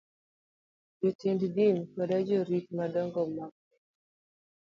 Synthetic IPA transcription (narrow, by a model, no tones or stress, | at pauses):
d͡ʒɔtinddinkɔdad͡ʒɔɾitmadɔŋɡɔmak̚